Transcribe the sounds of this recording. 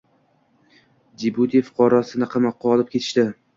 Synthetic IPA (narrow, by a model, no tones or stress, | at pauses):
d͡ʒibud̪ifʊ̥qʰɒɾasɪnɪqʰɑmɑqʰːɒlˠɪp̚kʲʰe̞t̪ʰɪ̥ʃt̪ɪ